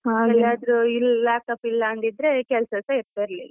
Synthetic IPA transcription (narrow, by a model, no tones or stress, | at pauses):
haːɡɐɭaːd̪ɾuilːlaːʈɐpːilːɐːnd̪id̪ɾekɛlsɐsɐiɾt̪ɐɾlḭ